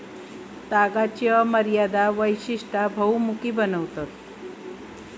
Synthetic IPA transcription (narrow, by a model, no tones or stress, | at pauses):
t̪aɡat͡ɕjəməɾjad̪aʋəjɕiʂʈabʱəwmukiːbənəʋt̪at̪